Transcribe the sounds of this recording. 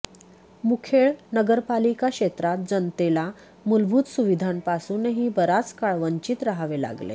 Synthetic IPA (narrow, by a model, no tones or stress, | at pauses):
mukʰeɭnəɡəɾpalikakɕet̪ɾat̪̚d͡zənt̪ela | mulbʱuːt̪suʋid̪ʱampasuːneɦiːbəɾat͡skaɭʋəɲt͡ɕiːt̪ɾaɦaʋela̰ɡlḛ